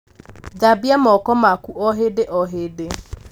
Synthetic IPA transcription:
d͡ʒabjamɔkɔmakuʔɔɦɪdɪʔɔɦɪdɪ

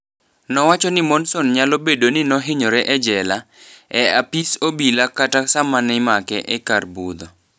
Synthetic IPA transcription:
nɔwat͡ʃɔnɪmɔnsɔnɲalobedonɪnɔɦɪɲɔɾɛʔɛd͡ʒɛlaɛapisobilakatasamanɛmakɛʔɛkarbud̪ɔ

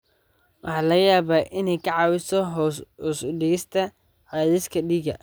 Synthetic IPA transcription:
wʔɑ̰ħɑːlɐɣɐjaːβaːʔɪnɛjkʰɑʕɑːwɪsɔɦhɔːsʊɖɪɣɪst̪ʰɐ | ʕɑːðɪskʰɐɖiːɡɐ̰

